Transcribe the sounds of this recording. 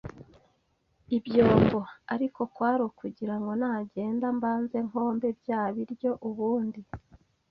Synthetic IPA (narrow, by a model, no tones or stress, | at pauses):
ibjo̞ːmbo̞aɾiko̞kwaːɾokuɟiɾaŋɡo̞naːɟe̞ːndambaːnze̞ŋ̥ho̞ːmbe̞bjaːβiɾjo̞ʔuβuːndi